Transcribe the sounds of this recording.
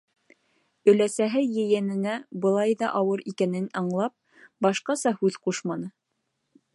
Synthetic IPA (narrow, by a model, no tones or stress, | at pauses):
ɵ̆læsæɦɘjɘ̆jænɘ̆næbɤ̆lˠɑjðɑʔɑwɤɾikænɘnɑɴlˠɑp̚ | bɑʃqɑsɑhʉðquʃmɑnɤ